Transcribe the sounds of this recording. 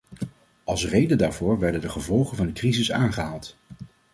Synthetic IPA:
ʔɑlˠsrejdəndaːɹvʊːɹʋɛɹdəndəχəvɔlˠχənvɑndəkrizɪsaːnχəɦaːlˠt

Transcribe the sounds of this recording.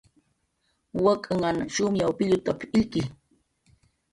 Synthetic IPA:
wakʼaŋanʃʊmjawpɪʎʊt̪apilki

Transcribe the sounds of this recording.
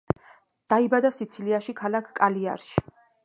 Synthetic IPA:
d̪̥aibad̪asit̪sʰiliaʃikʰalakʰkʼalia̰ɾʃi̥

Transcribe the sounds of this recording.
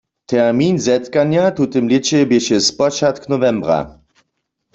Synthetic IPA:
t̪ʰɛʁminzɛt̪kaɲjat̪ut̪ɪmljɪt͡ɕɛbɪɕɛspɔt͡ʃat̪knɔvɛmbʁa̰

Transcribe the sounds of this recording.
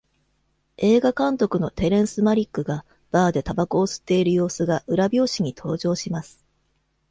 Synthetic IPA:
e̞ːɡakãnt̪o̞kɯ̟no̞t̪e̞ɾẽ̞ɰ̃sɨmaɾʲikːɯ̟ɡa | b̥aːd̪e̞t̪abakoːsɨ̥t̪ːe̞iɾɯ̟jo̞ːsɨɡaʔɯ̟ɾabʲo̞ːɕiɲ̟it̪ʰo̞ːʑo̞ːɕimasɨ̥

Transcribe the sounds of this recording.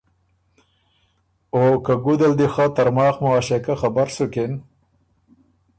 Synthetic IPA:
okaɡud̪ald̪ixɑt̪aɾmɑːxmʊɑʃekaxabaɾsuken

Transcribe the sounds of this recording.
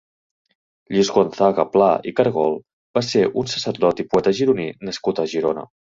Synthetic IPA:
ʎizɣonθaɣəplaikəɾɣɔlˠ | baseʔunsəsəɾðɔt̪ipuɛt̪əʒiɾuninəskut̪əʒiɾonə̰

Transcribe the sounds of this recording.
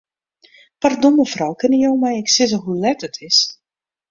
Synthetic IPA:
pardoməfrɔwkɪnəjowmɛjɪksɪz̬əɦulɛtətʰɪs

